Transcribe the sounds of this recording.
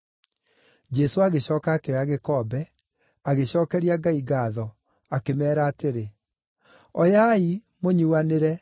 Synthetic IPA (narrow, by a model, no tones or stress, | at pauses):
d͡ʑɛsoaɣeɕɔːkaːkeɔaɣekɔbɛ | aɣeɕɔːkɛɾiaɡaiɡaðɔ | akemɛːɾaːteɾe | ɔjai | moɲuaneɾɛ